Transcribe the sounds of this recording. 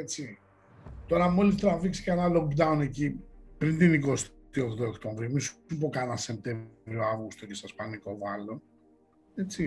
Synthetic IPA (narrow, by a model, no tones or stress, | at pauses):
et͡si | t̪o̞ɾɐmo̞list̪eɾɐviksi̥ceenalokd̪ɐunecipɾint̪inikost̪ | iokt̪ookt̪oɱvɾiomisupokanɐsem̚t̪e̞vɾioavɣust̪ocest̪ɐspɐniko̞vɐlo̞ | e̞t͡si